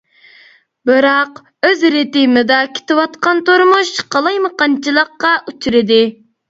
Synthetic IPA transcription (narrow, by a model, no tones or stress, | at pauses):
bɨɾɑq | øzɾet̪ijmɪd̪ɑkʲʰe̥t̪ɪwɑt̪qɑnt̪oɾmuʃqʰɑlˠɑjmɨqɑnt͡ʃʰilˠəqːɑʔut͡ʃʰyɾɪd̪ɪ